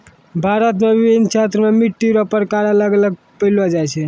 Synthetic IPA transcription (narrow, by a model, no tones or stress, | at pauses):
bʱaɾət̪mebibint͡ʃʰat̪ɾəmemiʈːiɾopəɾkaɾələɡələɡ̚ | pəjlad͡ʒajt͡ʃʰɛ